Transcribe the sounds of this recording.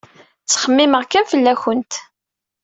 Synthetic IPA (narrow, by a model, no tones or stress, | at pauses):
t͡sːχəmːiməʁkænfəlːæçənt̪